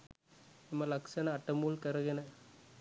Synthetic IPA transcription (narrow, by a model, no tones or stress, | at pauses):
ɪmɐlɐksɐnɐɐʈːɐmuːlkɐɾɐɣɪnɐ